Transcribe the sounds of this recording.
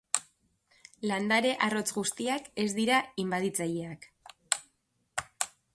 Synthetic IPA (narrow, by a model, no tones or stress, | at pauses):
land̪aɾe̞ʔaro̞t͡sɣust̪iake̞zd̪iɾaimbaðit͡sajeak